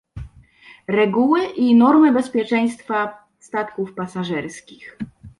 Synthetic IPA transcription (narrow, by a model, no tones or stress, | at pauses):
ɾɛɡuwɘʔinɔɾmɘbɛspʲjɛt͡ʂɛj̃st̪fa | st̪at̪kufpasaʐɛɾskʲix